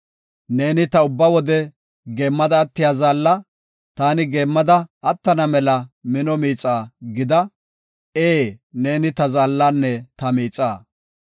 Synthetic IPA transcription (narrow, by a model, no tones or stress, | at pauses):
ne̞ːnɪt̪ɐʊbːɐwɔd̪ɛ | ɡe̞ːmːɐd̪ɐːt̪ːɪjaːzaːlːɐ | t̪aːnɪɡeːmːɐd̪ɐɐt̪ːɐnɐmɛlɐmɪnɔmiːt͡sʼaːɡɪd̪ɐ | eːne̞ːnɪt̪ɐzaːlːaːnːɛt̪ɐmiːt͡sʼaː